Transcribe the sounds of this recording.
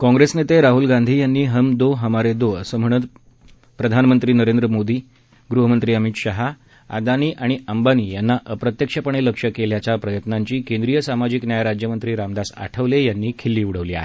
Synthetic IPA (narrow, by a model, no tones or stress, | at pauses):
kɔ̃ŋɡɾesnet̪eɾaɦulɡãnd̪ʱiːjanːiːɦəmd̪oɦəmaɾed̪oəsəm̤əɳ̃ət̪ | pɾəd̪ʱanmənt̪ɾiːnəɾend̪ɾəmod̪iː | ɡɾuɦəmənt̪ɾiːəmit̪ɕaɦa | a̰d̪aniːʔaɽ̃iʔəmbaniːjanːaʔəpɾət̪jəkʂəpəɳ̃eləkʂəkeljat͡ɕjapɾəjət̪naɲt͡ɕiːkẽnd̪ɾijəsamad͡ʑiknjajaɾad͡ʑjəmənt̪ɾiːɾamd̪asa̰ʈʰəʋlejanːiːkʰelːiːuɽ̤əʋliːa̰ɦe